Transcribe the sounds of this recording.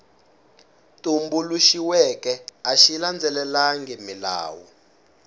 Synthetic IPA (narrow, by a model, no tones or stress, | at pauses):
tʼumbuluʃiwɛkɛaʃiland͡zʱɛlɛlaŋɡimila̰ːwɔ̰